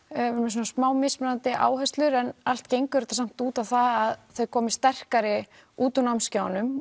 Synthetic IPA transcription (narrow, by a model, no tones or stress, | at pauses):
ɾmɛs̬unasmaːwmɪsmɛɾant̪ɪʔa̰ːwɦɛst̪lʏɾɛnal̥t̪cejŋkʏɛɾɪt̪asam̥t̪uːt̪awθaaðθœɥkʰɔːmɪst̪ɛr̥kaɾɪ | uːt̪anawmscaːwnʏm